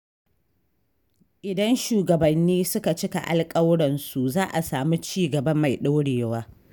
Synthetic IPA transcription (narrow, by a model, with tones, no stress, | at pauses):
ʔɪ˨dɐ˦nʃuː˨ɡɐ˨bɐ˨nːiː˦sʊ˦ka˨t͡ʃɪ˦ka̰˨ʔa̰˨lkʼɐ˦wɽɐ˨nsu˨zaː˦ʔa̰˨saː˨mi˦t͡ʃiː˦ɡɐ˨bɐ˦mːa˨jɗa˦wɽeː˨waː˦